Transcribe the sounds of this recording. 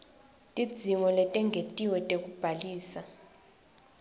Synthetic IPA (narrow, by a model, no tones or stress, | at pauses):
tʼid̥d͡zz̥ʱiŋɔlɛtʼɛŋɡʱetʼiwɛtʼekʼub̥ʱaliːsa